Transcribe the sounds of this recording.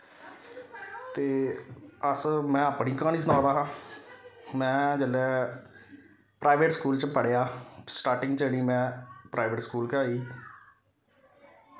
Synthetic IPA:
t̪eː | əsmɛ̃ːəpnĩːkãːniːsnaːɾaːɦãː | mɛ̃ːd͡ʒəlɛː | pɾaːʋeːʈskuːlt͡ʃpəɽjaːsʈaːɾʈɪ̃ŋɡt͡ʃəɳiːmɛ̃ːpɾaːɪʋeːʈskuːlkəaːiː

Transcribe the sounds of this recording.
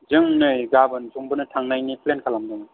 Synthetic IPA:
zɯŋnɯjɡabɯnsuŋbɯnɯtʰaŋnajniplenkʰalamdɯŋɯ

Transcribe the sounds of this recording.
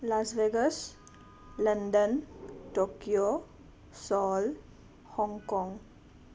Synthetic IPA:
lasʋeːɡəs | lənɖənʈoːkio | sɔːl | hɔ̃ŋɡkɔ̃ŋɡ

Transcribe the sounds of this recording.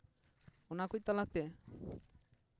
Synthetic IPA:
ɔnakut̪alat̪e

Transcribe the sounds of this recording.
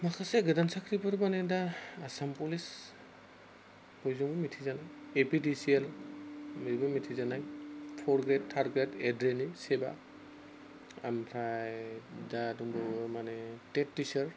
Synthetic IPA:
makʰaseɡɯdansakʰɾibɔɾmanedaːsampulis | pɔjzɔŋbɔmitʰizanajepidisial | miɾibɔmitʰizanajpʰɔɾɡɾed̚tʰːaɾɡɾetedɾeniseba̰ | ampʰɾajdaduŋbɔmanetetːisəɹ

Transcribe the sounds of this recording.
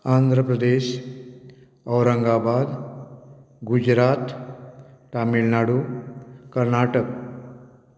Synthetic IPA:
and̪ʱɾəpɾəd̪eːɕ | əwɾəŋɡabaːd̪ | ɡud͡ʒɾat̪ | ʈamilnaːɽu | kəɾnaːʈək

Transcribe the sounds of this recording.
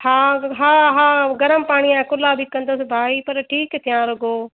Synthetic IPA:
haːɦaːɦaːɡɐɾəmpaːɽ̃iãːkʊlabʱikɐ̃nd̪əsɪbʱaːipɐɾʈʰiːkt̪ʰijãɾɐɡoː

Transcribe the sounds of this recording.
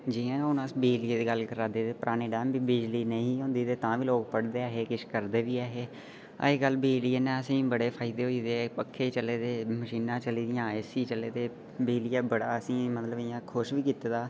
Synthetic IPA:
d͡ʒiːãːʊnãsbeːlieːd̪iːɡəlkəɾaːd̪eːt̪eːpɾʔaːneːɖɛːmbiːbɪd͡ʒliːnəĩːɦõːnd̪iːt̪eːt̪ãːʋiːloːkpəɽd̪eːaːɦeːkɪʃkəɾd̪eːʋiːaːɦeː | ə̰eɡəlbiːliːeːnɛ̃ːəsĩːbəɽeːpʰaːɪd̪eːɦoːiːd̪eːpəkʰːeːt͡ʃəleːd̪eːməʃiːnãːt͡ʃəliːd̪ɪjãːesiːt͡ʃəleːd̪eː | beːlijaːbəɽaːəsĩːmət̪ləbɪjãːkʰʊʃʋiːkiːt̪eːd̪aː

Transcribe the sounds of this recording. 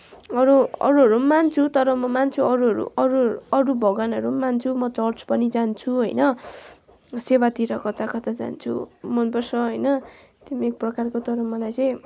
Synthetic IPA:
ʌɾuʌ̰ɾuɦʌɾumant͡sʰut̪ʌɾʌmʌmant͡sʰuʌɾuɦʌɾṵʌɾuʌɾubʱʌɡanʌɾumant͡sʰumʌt͡sʌrt͡sʰpʌnid͡zant͡sʰuɦʌjnʌ | sewat̪iɾʌkʌt̪akʌt̪ad͡za̰nt͡sʰṵmʌnpʌrsʌɦʌjnʌ | t̪imiek̚prʌkarkot̪ʌɾʌmʌlajt͡sʌ̃j̃

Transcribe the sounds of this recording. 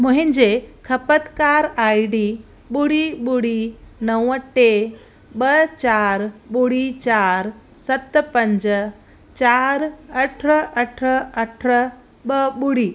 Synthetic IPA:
mʊ̃ɦɪ̃ɲd͡ʑekʰɐpət̪kaːɾaːiɖiː | ɓuɽiɓuɽinɐwəʈe | ɓət͡ɕaːɾɓuɽit͡ɕaːɾ | sɐt̪pɐ̃ɲd͡ʑ | t͡ɕaːɾɐʈʰɐʈʰəɐʈʰə | ɓəɓuɽiː

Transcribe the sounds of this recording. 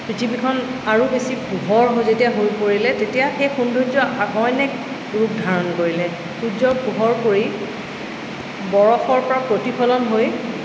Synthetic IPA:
pɹitʰibikʰɔnaɹubesiɡuɦɔɹɦojzetijaɦojpoɹilɛtetijaxejxundʱuzɔʔaɡɔjnɛk | ɹuk̚dʱaɹɔnkoɹilɛ | xuzɔɡuɦɔɹkoɹi | bɔɹɔxɔɹpɔɹapɹotipʰɔlɔnɦoj

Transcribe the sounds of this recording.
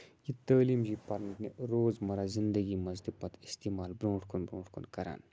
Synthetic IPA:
jit̪əːliːmd͡ʒiːpɐɾnneɾoːzmɐɾazɪnd̪əɡimɐzd̪ipɐt̪ɪst̪iːmaːlbɾõːʈʰkunbɾõːʈkṵnkɐɾa̰ːn

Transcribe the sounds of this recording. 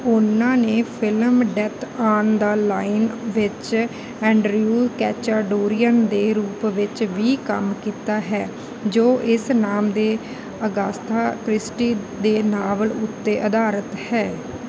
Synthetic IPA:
ʊnãːneːpʰɪlmɖɛt̪ʰaːnd̪əlaːɪnʋɪt͡ʃ | ɛ̃ːɳɖɾjuːlkɛːt͡ʃaːɖoːɾijənd̪eːɾuːpʋɪt͡ʃʋiːkə̰mkiːt̪aːɦɛː | d͡ʒoːʔɪsnaːmd̪eː | əɡaːst̪ʰaːkɾɪsʈiː | d̪eːnaːʋəlʊt̪ːeːʔəd̪aːɾət̪hɛː

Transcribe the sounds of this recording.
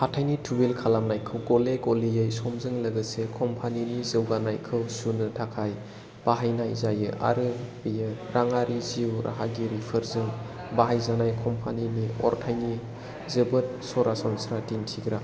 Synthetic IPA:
hatʰajnitʰubelkʰalamnajkʰɯwɡɔleɡolijajsɔmzɯŋləɡɯsekʰɔmpʰaninizɯwɡanajkʰɯwsunɯtʰakʰaj | b̥aɦajnajzajɯʔa̰ɾɯbijɯɾaŋaɾiziwɾʔa̰ɦaɡiɾipʰɯɾzɯŋ | baɦajzanajkʰɔmpʰaniniɔ̰ɾtʰajni | zɯbɯt̚sɔɾasɔnsɾatintʰiɡɾa

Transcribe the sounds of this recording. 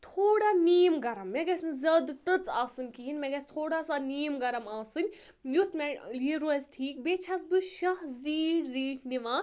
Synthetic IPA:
t̪ʰoːɽaniːmɡɐɾɐmːeɡɐsɨnʲzɐd̪t̪ɨt͡saːsɨnʲkiɦinʲmeɡɐst̪ʰoːɽasaniːjmɡɐɾɐmaːsɨnʲ | jut̪ʰmeliɾozʈʰiːk̚beːt͡ʃʰasbɨʃɐɦziːɽziːʈʰniʋãː

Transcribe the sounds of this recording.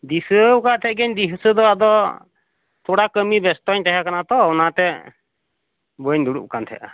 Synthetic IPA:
d̪isəkat̪ʰɛt̚ɡɛɲd̪iɦsəd̪ɔad̪ɔ | t̪ʰɔɽakəmibɛst̪ɔɲʈ̪ɛɦakanat̪ɔːnat̪ɛ | bəɲd̪uɽṵʔkant̪ʰɛ̰ʔa

